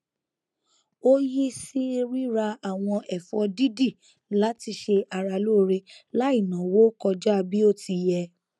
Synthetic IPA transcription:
o˦ji˦si˦ɾi˦ɾa˧a˨w̃ɔ̃˧ʔɛ˨fɔ˧di˦di˦˨ | la˨˦ti˧ʃe˧a˧ɾa˧lo˦ɾe˧la˦i˦˨nã˨wo˦kɔ˧d͡ʒa˦˧bi˦o˦ti˧jɛ˧

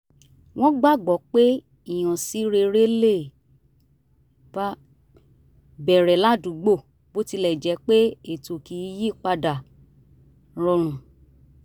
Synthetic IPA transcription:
w̃ɔ̃˦ɡ͡ba˦˨ɡ͡bɔ˨˦k͡pe˦ | i˨j̃ɔ̃˨si˨˦ɾe˧ɾe˦le˦˨ | ba˦ | bɛ˨ɾɛ˨˦la˦dũ˨˦ɡ͡bo˦˨ | bo˦ti˧lɛ˨d͡ʒɛ˨˦k͡pe˦e˨to˨ki˨˦ji˦˨k͡pa˧da˨ | ɾɔ˧ɾ̃ũ˨

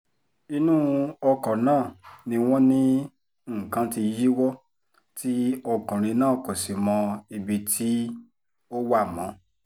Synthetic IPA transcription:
i˧nũ˦ɔ˧kɔ̃˨nãː˦˨nĩ˧w̃ɔ̃˦nĩ˦˨ | kã˧˦ti˧ji˦wɔ˦ | ti˦ɔ˧kɔ̃˨ɾ̃ĩ˧nãː˦˨ko˨si˨mɔ̃˧i˧bi˧tʰi˦ | o˦wa˦˨mɔ̃˨˦

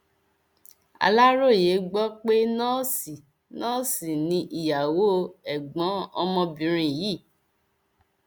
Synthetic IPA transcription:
a̰˧la˦ɾo˦˨je˨˦ɡ͡bɔ˦k͡pe˦nãː˦si˨ | nãː˦si˨nĩ˧ʔi˨ja˨wo˦˧ɛ˨ɡ͡bɔ̃˨˦ɔ˧mɔ̃˧bĩ˧ɾ̃ĩ˧˨jiː˦˨

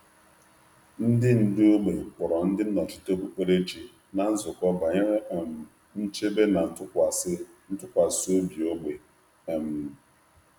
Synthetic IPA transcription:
n̩˦dɪ˦n̩˨dɪ˦o˦ɡ͡be˨k͡pʊ˨ɾɔ˨n̩˦dɪ˦n̩˦nɔ˨t͡ʃɪ˦to˦bu˨k͡pe˦ɾe˦t͡ʃi˨ | na˨n̩˦zʊ˨kʷɔ˦ba˨ɲa˦˨m̩˨ | n̩˦t͡ʃe˦be˦na˨n̩˨˦tʊ˦kʷa˨s | n̩˦tʊ˦kʷa˨so˦bi˨o˦ɡ͡be˨ | m̩˨

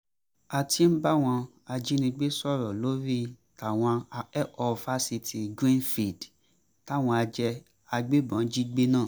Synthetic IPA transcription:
a˨ti˨˦n̩˦ba˦w̃ɔ̃˧ | a˧d͡ʒi˦nĩ˧ɡ͡be˦sɔ˦˨ɾɔ˨lo˦ɾi˦˨ta˨w̃ɔ̃˧ɛ˦ɔ˧fa˦si˧ti˨ɡɾĩ˦nfi˨d | ta˦˨w̃ɔ̃˧a˧d͡ʒɛ˧ | a˧ɡ͡be˦bã˨˦d͡ʒi˦ɡ͡be˦nãː˦˨

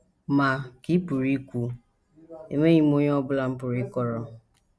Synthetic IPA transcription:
ma˨ki˦pu˨ɾi˦kʷu˦ | ḛ˨me˦ɲi˦m˦o˦ɲ˦ɔ˦bʊ˦la˦m̩˦pʊ˨ɾi˦kɔ˦ɾɔ˦

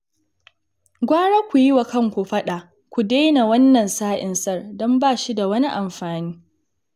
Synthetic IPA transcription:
ɡʷaː˦ɽa˦kʷu˨jɪ˦wa˨kɐ˦ŋkʷu˨ɸɐ˦ɗa˨ | kʷu˨daː˦na˨wɐ˦nːɐ˨nsaː˦ʔɪ˨nsɐ˦˨rdɔ˦mbaː˦˨ʃi˦da˨wɐ˦ni˦ʔa˨mɸaː˨niː˦

